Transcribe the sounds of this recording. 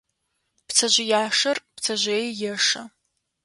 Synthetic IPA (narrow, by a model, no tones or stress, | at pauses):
pt͡sʰɐʑɪjaːʂɐrpt͡sʰɐʑʷejjɛʂɐ